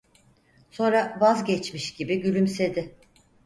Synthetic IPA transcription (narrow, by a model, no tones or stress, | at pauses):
so̞nɾavazɟɛt͡ʃmiʃɟibiɟylʲymse̞d̪ɪ